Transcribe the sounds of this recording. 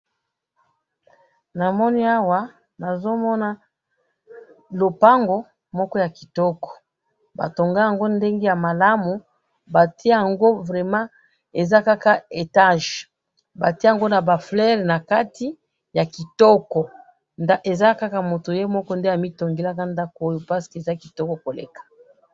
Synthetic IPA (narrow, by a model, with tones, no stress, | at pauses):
na˨mɔ˦ni˦a˦wa˨ | na˨zo˦mɔ˦na˦ | lo˨pa˦ŋɡo˦ | mɔ˦kɔ˦ja˨ki̥˨tɔ˦kɔ̥˨ | ba̰˨to˨ŋɡa˦ja˨ŋɡo˦nde˦ŋɡe˦ja˨ma˨la˦mu˨ | ba˨ti˦e˦ja˨ŋɡo˦vʁɛ˨mã˦ | e˨za˦ka˦ka˦e˨ta˦ʒ | ba˨ti˦ja˨ŋɡo˦na˨ba˨flɛ˦ʁna˨ka˦tʰi˦ | ja˨ki˨tɔ˦kɔ˨ | nda˦ʔe˨za˦ka˦ka˦mo˨to˨je˦mɔ˦kɔ˦nde˦a˨mi˦to˨ŋɡe˦la˦ka˦nda˦ko˦o˦jo˨pa˦si̥˨ke˨za˦ki˨tɔ˦kɔ˨ko˨lḛ˨kḁ˨